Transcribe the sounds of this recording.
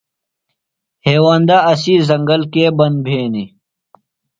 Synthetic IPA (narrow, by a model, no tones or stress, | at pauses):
heːwaːnd̪aɐsizɐŋɡɐlkeːbɐnd̪̚bʱeːni